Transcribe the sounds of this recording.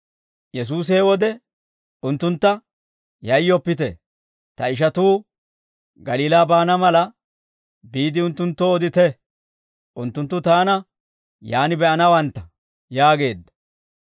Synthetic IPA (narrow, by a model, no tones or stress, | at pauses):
jɛs̬uːs̬ɛwɔd̪ɛ | ʊnt̪ːʊnt̪ːɐ | jɐjːɔpːɪt̪ɛ̰ | t̪ɐɪʃ̬ɐt̪uː | ɡɐliːlaːbaːnɐmɐlɐ | biːd̪ɪʊnt̪ːʊnt̪ːɔːd̪ɪt̪ɛ | ʔʊnt̪ːʊnt̪ːʊt̪aːnɐ | jaːnɪbɛʔɐnɐwɐnt̪ːɐ | jaːɡe̞ːd̪ːɐ̥